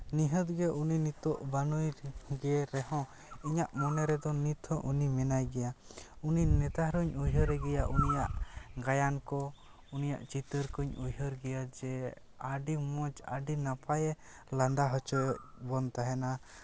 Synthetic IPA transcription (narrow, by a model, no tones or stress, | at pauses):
niɦət̪ɡɛʔuninit̪ɔʔbanujɡɛɾɛɦɔ̃ | iɲaʔmɔnɛɾɛd̪ɔnit̪ʰɔ̃ʔunimɛnajɡɛjauninɛt̪aɦɾuɲujɦəɾɛɡɛjaʔunijaʔɡajankɔ | unija̰ʔt͡ʃit̪əɾkuɲujɦəɾɡɛjad͡ʒɛ | aɖimɔd͡ʒa̰ɖinapʰajɛ | land̪aɦɔt͡ʃɔjʔ̚bɔnt̪aɦɛna